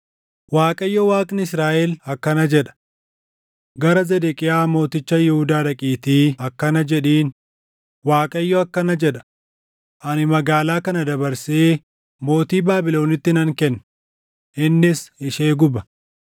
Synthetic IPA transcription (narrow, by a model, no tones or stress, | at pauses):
waːkʼɐjːɔwaːkʼnɪɪsɾaːʔɛlɐkːɐnɐd͡ʒɛᶑɐ̥ | ɡɐɾɐzɛd̪ɛkʼɪjaːmo̞ːt̪ɪt͡ʃːɐjɛhʊd̪aːᶑɐkʼiːt̪iːɐkːɐnɐd͡ʒɛᶑiːn | waːkʼɐjːɔɐkːɐnɐd͡ʒɛᶑɐ̥ | ʔɐnɪmɐɡaːlaːkɐnɐd̪ɐbɐɾseː | mo̞ːt̪iːbaːbɪlo̞ːnɪt̪ːɪnɐŋkɛnː | ʔɪnːɪsɪʃeːɡʊbɐ